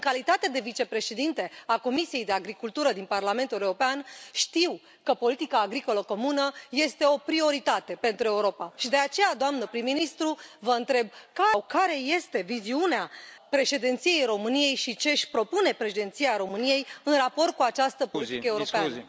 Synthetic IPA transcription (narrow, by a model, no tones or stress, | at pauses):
ɨŋkalit̪at̪ed̪e̞vit͡ʃe̞pɾe̞ʃe̞d̪int̪e̞ako̞misije̞jd̪e̞aɡɾikult̪uɾəd̪inparlament̪uleuɾopeanʃt̪iw | kəpo̞lit̪ikaːɡɾiko̞ləko̞munəje̞st̪e̞o̞pɾio̞ɾit̪at̪e̞pe̞nt̪ɾue̞uɾo̞paʃid̪e̞at͡ʃe̞jad̪oamnəpɾimːinist̪ɾuvəɨnt̪ɾe̞b̚kawkaɾe̞je̞st̪e̞viziuneapɾe̞ʃe̞d̪ent̪sijejɾo̞mɨnije̞jʃit͡ʃe̞ʃʲpɾo̞pune̞pɾe̞ʃed̪ent̪sijaɾo̞mɨnije̞jɨnrapo̞rt̪̚kuat͡ʃast̪əpolit̪ikəeuɾo̞pea